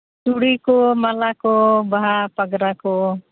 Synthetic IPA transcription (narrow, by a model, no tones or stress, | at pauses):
suɽikomalakɔbaɦapəɡɾakɔ